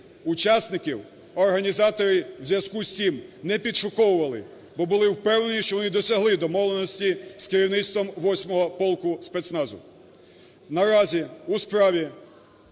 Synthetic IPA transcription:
ut͡ʃɑsʲnɪkʲiw | ɔrɦɐnʲizɑt̪ɔɾɪwzʲjɐskusʲtʲimnɛpʲid̪ʃʊkɔwʊʋɐlˠɪ | bɔbʊlˠɪwpɛwnenʲiʃt͡ʃɔʋɔnɪd̪ɔsʲɐɦlˠɪd̪ɔmɔʋlˠenɔsʲtʲiskeɾʲiwnɪt̪st̪ʋɔmʋɔsʲmɔɦɔpɔlˠkʊspɛt̪snɑzʊ̰ | nɐɾɑzʲiuspɾɑʋʲi

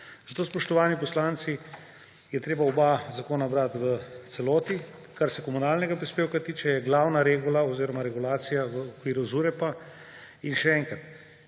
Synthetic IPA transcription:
zat̪oːspɔʃt̪ɔʋaːnipɔslaːnt̪si | jɛt̪ɾeːbaɔbazakoːnabɾat̪ʋət̪sɛloːt̪i | kaɾsɛkɔmunaːlnɛɡapɾispeːwkat̪iːt͡ʃɛjɛɡlawnaɾeɡulaoziːɾɔmaɾɛɡulaːt̪sijaʋəːkʋiːɾuzuɾɛpa | inʃɛɛːŋkɾat̪

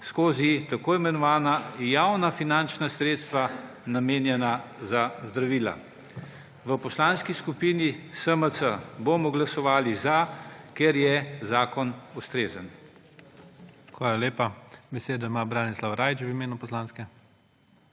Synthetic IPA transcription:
skoːzit̪akoːimɛnɔʋaːnajawnafinant͡ʃnasɾeːt̪st̪ʋa | nameːnjɛnazazd̪ɾaʋiːla̰ | ʋəpɔslaːnskiskupiːnisəmət̪səboːmɔɡlasɔʋaːlizakeɾjɛzaːkɔnust̪ɾeːzən | xʋaːlaleːpabɛseːd̪ɔimaːbɾaːnislawɾaːjt͡ʃwimeːnupɔslaːnskɛ

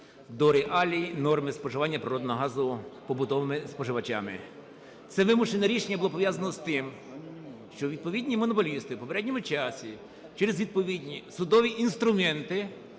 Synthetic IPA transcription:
d̪ɔɾɪʔɑlʲinɔrmɪspɔʒɪʋanʲːɐpɾɪɾɔd̪nɔɦɔɦɑzʊpɔbʊt̪ɔʋɪmɪspɔʒɪʋɐt͡ʃa̰mɪ̰ | t̪sɛʋɪmʊʃenɐɾʲiʃenʲːɐbʊlˠɔpɔʋʲjazɐnɔzt̪ɪm | ʃt͡ʃɔʋʲid̪̚pɔʋʲid̪ʲnʲimɔnɔpɔlʲist̪ɪpɔpeɾɛdʲnʲɔmʊt͡ʃɑsʲi | t͡ʃɛɾezʋʲid̪̚pɔʋʲid̪ʲnʲisʊd̪ɔʋʲiʔinst̪ɾʊmɛnt̪ɪ

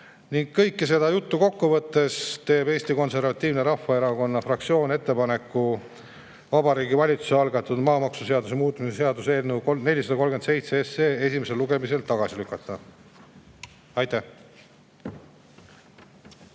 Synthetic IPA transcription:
niŋɡ̥̚kɤjkːese̞d̪̥ɑjut̪ːuko̞kːuvɤt̪ːe̞st̪e̞ːbe̞ːsʲt̪iko̞nse̞rvɑt̪ʲːˑiːvneɾɑfːɑe̞ɾɑɡo̞nːɑfrɑk̚t̪sio̞ːne̞t̪ˑːe̞pɑne̞kːˑu | vɑbɑɾiːɡivɑlʲit̪su̥seɑlɡɑt̪ːˑud̪mɑːmɑksuse̞ɑd̪use̞muːt̪ːˑumiseseɑd̪uselnːukone̞lʲisɑd̪ɑkolɡent̪se̞jt̪seeseːe̞sʲime̞se̞lːuɡe̞mise̞lt̪ːɑɡ̥ɑsilykːˑɑt̪ːˑɑ | ɑjt̪æh

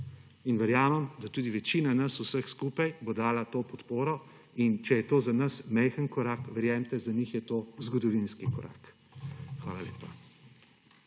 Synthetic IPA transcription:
inʋɛɾjaːməmd̪at̪uːd̪iʋɛt͡ʃiːnanɐsusəxskuːpajbod̪aːlat̪oːpɔt̪poːɾɔ | int͡ʃɛjɛt̪oːzanɐsmɛjxənkɔɾaːkʋɛɾjɛmt̪ɛzanixjɛt̪oːzɡɔd̪ɔʋinskikɔɾʔa̰ːk | xʋaːlalḛːpa

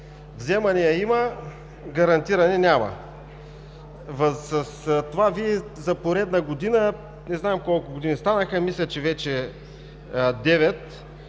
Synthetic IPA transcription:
vzɛmɐnɛjɐimə | ɡɐɾɐnt̪iɾɐnɛnʲamɐ̰ | vɐsɐst̪ovaviɛzɐpoɾɛd̪nɐɡod̪inə | nɛznaɛmkɔlˠkʊɡod̪inist̪anəxəmislʲɐt͡ʃɛvɛt͡ʃɛ | d̪ɛvɛt̪

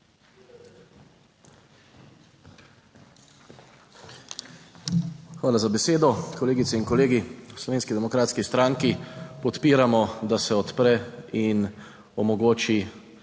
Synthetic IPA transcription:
xʋaːlazabɛseːd̪ɔkɔleːɡit̪sɛinkɔleːɡislɔʋeːnskid̪ɛmɔkɾaːt̪skist̪ɾaːŋkipɔt̪piːɾamɔd̪asɛɔt̪pɾɛin | ɔmɔɡoːt͡ʃi

